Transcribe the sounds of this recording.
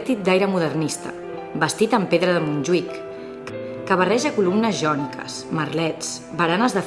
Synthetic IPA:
t̪it̪̚d̪ajɾəmuðərnist̪ə | bəst̪it̪əmpeðɾəðəmunʲʒwikː | kəβ̞ərɛʒəkulumnəzʒɔnikʰə̰smərlɛt͡s | bəɾanəzðə

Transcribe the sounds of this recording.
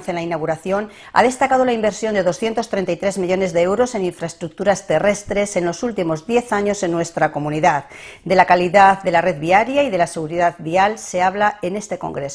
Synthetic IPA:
nθjanlainaɣ̞uɾaθjo̞n | a̰ðe̞st̪akað̞o̞laimbe̞ɾsjo̞nd̪e̞ðo̞sθje̞nt̪o̞st̪ɾe̞nt̪ajt̪ɾe̞zmiʎo̞ne̞zðe̞ewɾo̞se̞niɱfɾaest̪ɾuk̚t̪uɾast̪e̞re̞st̪ɾe̞se̞nlo̞sult̪imo̞zðje̞θaɲo̞se̞nːwe̞st̪ɾako̞mũniðað | d̪e̞lakaliðaððe̞lare̞ðβiaɾjaiðe̞lase̞ɣ̞uɾiðaðβialse̞aβlae̞ne̞st̪e̞ko̞̰ŋɡɾes

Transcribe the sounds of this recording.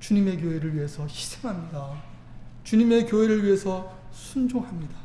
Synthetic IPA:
t͡ɕuɲime̞k̬joɦeɾɯɭɥiɦe̞sʰʌçi̥sʰeŋɦamɲida | t͡ɕuɲime̞kjoɦe̞ɾɯɭɥiɦe̞sʰʌ | sʰund͡ʑoŋɦamɲidḁ

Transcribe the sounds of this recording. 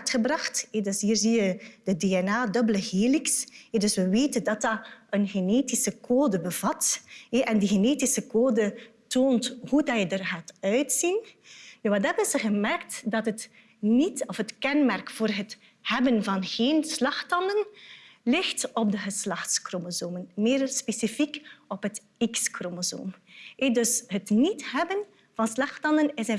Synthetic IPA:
tχəbrɑχtɛdøsɦiːrzijəd̥ədeːɛnaːdɵbələɣeːliksɛdɵswʋəʋeːtəndɑt̚dɑənɣeneːtisəkʰoːdəbəv̥ɑtɛʔɛndiɣəneːtisəkoːdətoːnthudɑjədərɣaːtœɥtsinjʋɑtɦɛbənzəɣəmɛrktdɑtɦət | nitɔfɦətkɛnmɛrkfoːrɦət | hɛbənvɑnɣeːnslɑxtɑndənlɪxtɔb̚dəɣəslɑxtskromozoːmənmɪːrspesifikɔpɦət | ikskromozo̰ːmɛdɵsɦətnitɦɛbən | vɑnslɑxtɑndənɪsɛ

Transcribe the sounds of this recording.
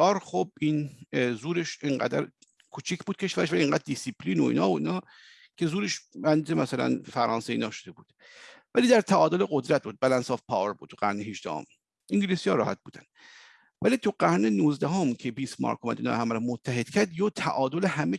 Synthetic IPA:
ɒːɾχob̚inzuːɾeʃeŋɢæ̰d̪æ̰ɾ | kʰut͡ʃʰicʰbuːd̪̥̚kcʰe̞ʃvæɾeʃ̬vælieŋɡæːd̪̚ːisipʰliːnoḭːnɒ̰ːoḭnɒː | kʰe̞zuːɾeʃænd̪iːzemæsælæ̰nfæɾʔɒːnseḭːnɒːʃod̪e̞buːd̪̥ | væliːd̪æɾt̪ʰæʔɒːd̪o̞leɡod̪ɾæt̪̚buːd̪̚bælænsɒfpʰɒ̰ːveɾbuːd̪t̪ʰu̥æ̰ɾneɦiʃd̪æ̰ho̰m | ʔiŋɟilisijɒːɾɒːhæ̰t̪̚buːd̪æ̰n̥ | vælit̪ʰuɢæɾnenuːzd̪æɦomkʰebiːsmɒ̰ːɾkʰomæ̰d̪ḭːn̰ːhæmæɾɔmot̪ʰːæɦe̞d̪̥cʰæɾd̪joːt̪ʰæʔɒːd̪oleɦæme

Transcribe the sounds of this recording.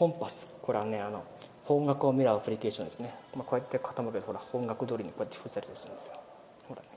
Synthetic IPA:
hõ̞mpasɨ̥kʰoɾe̞βane̞ano̞̰ | hõ̞ŋɡakɯomʲiɾaɯpɯ̟ɾʲike̞ːɕõnd̪esɨnemako̞ːet̪ːe̞kʰḁt̪amɯked̪ohoɾahõŋɡakɯ̟d̪oːɾʲiɲ̟iko̞ːet̪ːeɸɯzaɾʲt̪esɨ̃nd̪e̞sɨjo | hoɾane

